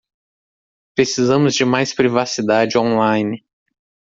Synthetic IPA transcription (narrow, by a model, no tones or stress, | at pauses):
pɾesizɐ̃mʊzd͡ʒɪmajspɾivasid̪ad͡ʒɪõlajnɪ